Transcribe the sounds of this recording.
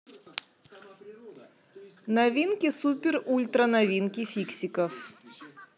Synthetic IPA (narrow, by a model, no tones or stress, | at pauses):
nɐvʲinkʲɪsupʲɪrulʲt̪ɾənɐvʲinkʲɪfʲiksʲɪkəf